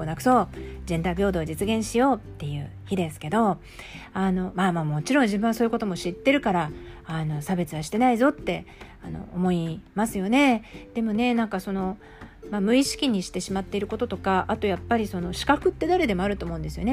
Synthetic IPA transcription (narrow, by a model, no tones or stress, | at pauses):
onakɯ̟̥so̞ːd͡ʑẽ̞nd̪aibʲo̞ːd̪o̞ːd͡ʑit͡sɨɡẽ̞ɰ̃ɕijo̞ːt̪ːe̞jɯ̟̰ːçid̪e̞sɨ̥ke̞d̪o̞ | ano̞maːmaːmo̞t͡ɕiɾõ̞ɲ̟d͡ʑibɯ̟ɰ̃asoːjɯko̞t̪o̞mo̞ɕit̪ːe̞ɾɯ̟kaɾaano̞sabe̞t͡sɨβaɕi̥t̪e̞naizo̞t̪ːe̞ | ano̞̰ːmo̞imasɨjo̞ne̞d̪̥e̞mo̞ne̞nãŋkaso̞no̞ | mamɯ̟iɕi̥kʲiɲ̟iɕi̥t̪e̞ɕimat̪ːe̞iɾɯ̟ko̞t̪o̞t̪o̞kaʔat̪o̞japːaɾʲiso̞no̞ɕi̥kakɯ̟t̪ːe̞d̪aɾe̞d̪e̞mo̞aɾɯ̟t̪oːmo̞̟nd̪esɨjo̞̰ne̞